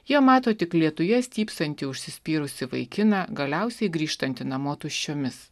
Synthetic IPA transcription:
jiɛmɑːt̪oːt̪ʲɪklʲiɛt̪ʊjɛsʲt̪ʲiːpsɐnʲt̪ʲɪʊʃʲsʲɪsʲpʲiːɾʊsʲɪʋɐɪkʲɪnɐɡɐlʲɛʊsʲɛɪɡɾʲiːʃt̪ɐnʲt̪ʲɪnɐmoːt̪ʊʃʲt͡ʃʲoːmʲɪs

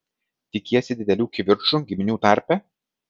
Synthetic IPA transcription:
t̪ʲɪkʲiːɛsʲɪd̪ʲɪd̪ʲɛlʲuːkʲʋʲɪɾt͡ʃuɡʲɪmʲɪnʲuːt̪ɑˑɾʲpʲɛ

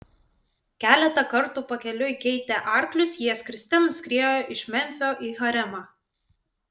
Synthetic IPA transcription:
kʲæːlʲɛt̪ɐkɐɾt̪uːpɐkʲɛlʲʊkʲɛɪt̪ʲɛʔɑˑɾklʲʊsjiɛskɾʲɪsʲt̪ʲɛnʊsʲkʲɾʲiɛjoːʔɪʃʲmʲɛmʲfʲoːʔiːɣɐɾʲɛmɑː

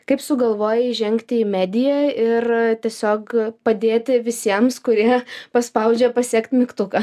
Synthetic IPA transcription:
kɐɪpsʊɡɐlˠʋoːjɛɪʒʲɛŋʲkt̪ʲɪiːmʲæːd̪ʲɪjɛɪrt̪ʲiɛsʲoːkpɐd̪ʲeːt̪ʲɪʋʲɪsʲiɛmskʊɾʲiɛpɐspɐʊd͡ʒʲɛpɐsʲiɛkt̪ʲmʲɪkt̪ʊkɐ

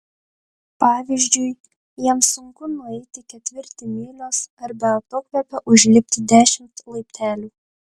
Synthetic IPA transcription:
pɑːʋʲiʒʲd͡ʒʲʊj | jiɛmsʊŋkʊnʊɛɪt̪ʲɪkʲɛt̪ʲʋʲɪɾʲt̪ʲɪmʲeːlʲoːsɐɾbʲɛɐt̪oːkʋʲɛpʲɛʔʊʒʲlʲɪpʲt̪ʲɪd̪ʲæːʃʲɪmt̪lˠɐɪpʲt̪ʰʲæːlʲuː

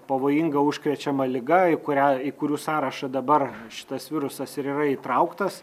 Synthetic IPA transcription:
pɐʋoːjɪŋɡɐʊʃʲkɾʲɛt͡ʃʲɛmɐlʲɪɡɐɪkʊɾʲæːɪkʊɾʲuːsɑːɾɐʃɐd̪ɐbɐrʃʲɪ̥t̪ɐsʋʲɪɾʊsɐsɪɾiːrɐit̪ɾɐʊkt̪ɐs

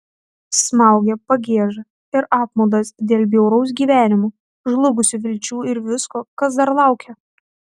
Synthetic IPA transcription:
smɑˑʊɡʲɛpɐɡʲeːɛʒɐ | ɪɾɑːp̚moːd̪ɐsd̪ʲeːlʲˠbʲjɛʊɾɔʊs̬ɡʲiːʋʲæːnʲɪmu | ʒlˠʊɡʊsʲʊʋʲɪlʲt͡ʃʲuːɪɾʋʲɪskoːkɐsd̪ɐɾlˠɑˑʊkʲɛ

